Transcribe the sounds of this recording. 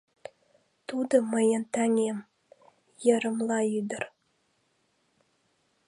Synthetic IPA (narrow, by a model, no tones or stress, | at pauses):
t̪ud̪ɤ̆məjə̆nt̪ɑŋʲem | jə̆ɾə̆mlˠɑyd̪ə̆r